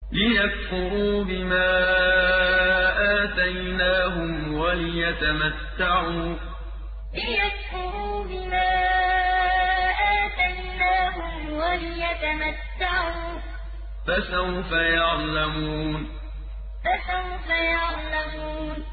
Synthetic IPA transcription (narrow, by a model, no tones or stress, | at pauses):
lɪjakfʊɾuːbɪmaː | ʔaːt̪ajnaːɦʊmwalɪjat̪amat̪ːaʕuː | lɪjakfʊɾuːbɪmaː | ʔaːt̪ajnaːɦʊm | walɪjat̪amat̪ːaʕuː | fasawfajɑʕlamuːn | fasawfajɑʕlamuːn